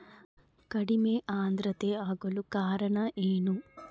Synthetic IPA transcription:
kɐɽimeʔaːnd̪ɾɐt̪eaːɡɐlukaːɾɐɳɐʔeːnu

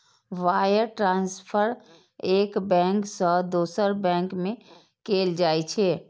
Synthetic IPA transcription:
ʋajəɾʈɾãːnspʰəɾ | ekbɛ̃ŋksəd̪oːsəɾbɛ̃ːŋkmẽ | keld͡ʒaːjt͡ʃʰɛ

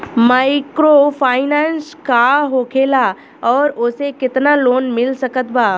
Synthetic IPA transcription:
maːɪkɾopʰaːɪnãːnskaɦoːkʰela | ɔːɾʊsekɪt̪naloːnmɪlsɐkət̪baː

